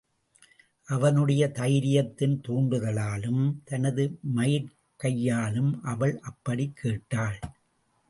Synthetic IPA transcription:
ʔɐʋɐnɯɽɐjɐt̪ɐjɾɪjɐt̪ːɪnt̪uːɳɖɯɣɐɭaːlɯmt̪ɐnɐðɯmɐjɪɾ | kɐjːaːlɯmʔɐʋɐɭʔɐpːɐɽikʰːeːʈːaːɭ

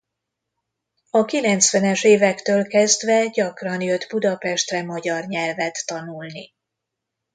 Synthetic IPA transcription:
ɒkilɛnt̪sʋɛnɛʃeːvɛkt̪øːlkɛzd̪vɛɟɒkrɒnjød̪bud̪ɒpɛʃt̪rɛmɒɟɒrɲɛlvɛt̪ːɒnulni

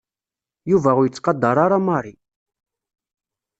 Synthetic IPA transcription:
juvæʊɾjət͡sːqɑd̪ːɑɾˤɑɾˤɑmɑrˤi

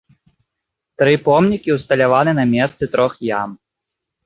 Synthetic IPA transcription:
t̪ɾɨpɔmnʲikʲiwst̪ɐlʲavanɨnɐmʲɛst̪sɨt̪ɾɔxjam

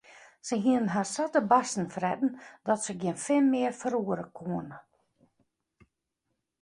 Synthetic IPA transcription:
səɦiənənɦarsatəbasn̩frɛdn̩dɔtsəɡjɪənfɪlmɪərfəɾuəɾəkʰuənə

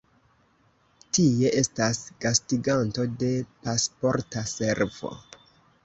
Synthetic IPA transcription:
tie̞ʔe̞stasɡ̥astiɡanto̞de̞paspo̞ɾtase̞ɾv̥o̰

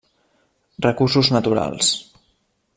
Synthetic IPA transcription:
rəkursuznət̪uɾa̰lˠs

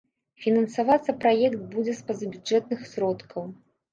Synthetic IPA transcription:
fʲinɐnsavat̪sːɐpɾajɛkt̪̚bud͡zʲɛspɐzɐbʲuɛt̪nɨxsɾɔt̪kʰɐw

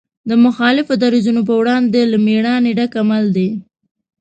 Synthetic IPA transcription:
d̪əmʊxɑlɪfod̪aɾizunop̬əwɽɑnd̪elameɽɑneɖakamald̪e

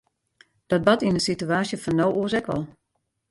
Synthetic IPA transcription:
d̥ɔt̚bɔtinənsityaːsjəfɔnːowuəsɛkʋɔ̰lˠ

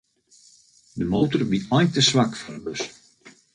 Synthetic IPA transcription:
dəmowtərbiɔjntəsʋakfɔnəbɵs

